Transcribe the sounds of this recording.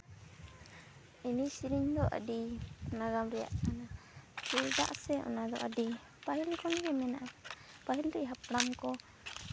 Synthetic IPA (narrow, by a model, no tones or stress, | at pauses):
imisiɾiŋd̪ɔʔə̰dinaɡamɾɛja̰ʔkʰanakuɾd̪a̰ʔsɛɔ̰nad̪ɔ̰ʔədi | paɦilkʰɔnɡɛmɛnaʔaka | paɦilɾɛʔɦapɽamkɔ